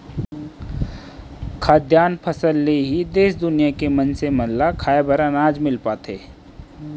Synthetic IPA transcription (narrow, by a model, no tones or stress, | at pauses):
kʰaːd̪jaːnpʰəsəlːeɦid̪eːsd̪ʊnijakemənsemɐɦlakʰaːebʱəɾanaːd͡ʒmɪlpaːt̪ʰeː